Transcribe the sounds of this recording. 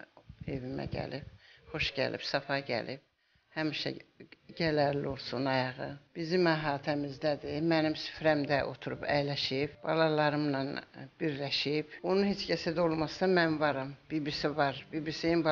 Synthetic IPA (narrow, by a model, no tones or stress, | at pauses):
e̞vimæ̰ɟæ̰lib̥̚xo̞ʃɟæ̰lʔḭbsɑfɑɟæ̰lib̥̚ | hæmiʃæ̰ɟælæɾlio̞lˠsunɑjɑʁɯb̥izimæɦɑːt̪ʰæmizd̪æd̪imænimsy̥fɾæmd̪æʔo̞̰t̪ʰuɾṵpʰæjlæʃibb̥ɑ̰lˠɑlˠɑɾɯmnɑnb̥iɾlæʃibonunhet͡ʃcæsæd̪æolˠmɑsɑmænvɑɾɑmb̥ibisivɑɾbibisijinb